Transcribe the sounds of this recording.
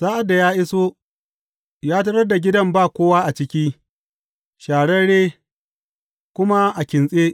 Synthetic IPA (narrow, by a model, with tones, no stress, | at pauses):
saː˦ʔa˨da˨jaː˦ʔɪ˦so˦ | jaː˦t̬ɐ˦ɽɐ˦da˨ɡʲɪ˦dɐ˦mbaː˦˨kʷoː˦waː˦ʔa˨t͡ʃɪ˦kʲiː˦ | ʃaː˨ɽɐ˦ɽeː˦ | kʷʊ˦ma˦ʔa˨kʲɪ˨nsʼeː˦